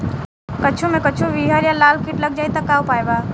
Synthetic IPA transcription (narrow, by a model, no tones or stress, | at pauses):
kət͡ʃʰumẽkət͡ʃʰuʋiːɦəɾjalaːlkiʈləɡ̚d͡ʒaːit̪əkaːwpaːjbaː